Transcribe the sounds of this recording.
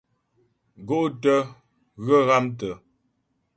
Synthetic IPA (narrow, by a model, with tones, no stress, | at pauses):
ɡo˦ʔtə˦ | ɣə˦ɣa˦mtə˨